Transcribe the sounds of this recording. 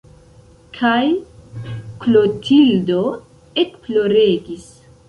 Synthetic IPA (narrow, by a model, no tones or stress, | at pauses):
kʰaj | klotʰildo | ekplo̞ɾeɡis